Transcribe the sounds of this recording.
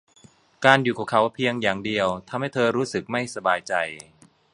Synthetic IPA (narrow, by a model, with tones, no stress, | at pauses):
kaː˧njuː˨˩kʰɔː˧˩˦ŋkʰa˦wpʰi˧əŋjaː˨˩ŋdi˧əwt̪ʰa˧mha˥˩jt̪ʰɤː˧ɾuː˦˥sɯ˨˩k̚ma˥˩jsa˧baː˧jt͡ɕa˧j